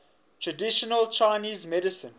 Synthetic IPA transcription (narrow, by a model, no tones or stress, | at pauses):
tʰɹədiʃɔnəlt͡ʃaɪniːzmɛdɪsə̃n